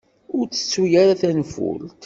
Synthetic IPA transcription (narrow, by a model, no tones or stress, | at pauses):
ʊɾt͡sːə̥t͡sːujaɾaθænfʊ̰lt̪